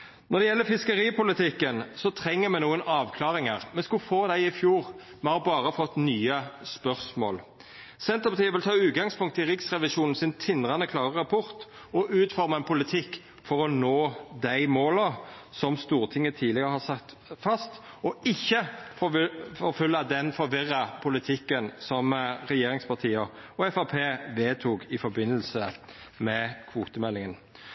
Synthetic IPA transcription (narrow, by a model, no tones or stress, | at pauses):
nɔʁd̪ɛjɛlːəfɪskəʁiːpʰʊlɪt̪ʰɪkːənsɔt̪ʰʁɛŋːəmɛːnuːənɑːʋkʰlɑːʁɪŋəʁmɛskʊfoːd̪æɪɪfjuːʁ | mɛhɑʁbɑːʁəfɔt̪ːnyːəspœʁsmo̰ːl | sɛnt̪əʁpɑt̪ːəʋɪlt̪ʰɑːʉːt̪̚ɡɑŋspʰʊŋkt̪ʰːɪʁɪksʁɛʋɪʃuːnn̩sɪnt̪ʰɪnʁɑnəkʰlɑːʁəʁɑpʰʊʁt̪ | ɔʔʉːt̪fɔʁmɑɛnpʰʊlɪt̪ʰɪkː | fɔʁɔnoːd̪æɪmoːləsɔmst̪uːʁt̪ʰɪŋːət̪ʰiːlɪɡəʁəhɑsɑkt̪ | fɑst̪ | ɔɪçːəffɔɾfʉlːɑd̪ɛnfɔɾʋɪʁːɑpʰʊlɪt̪ʰɪkːənsɔmʁɛjeːʁɪŋspʰɑʁt̪ʰiːə | ɔɛfɑpʰeːʋeːt̪ʰuːɡɪfɔɾbɪnːəlsə | mɛkʰʋuːt̪əmɛlːɪŋən